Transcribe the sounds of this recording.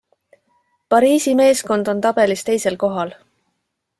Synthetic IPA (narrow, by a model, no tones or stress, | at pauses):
pɑɾiːsime̞ːsko̞nd̪̥o̞nt̪ɑb̥e̞list̪e̞jse̞lko̞ɦɑl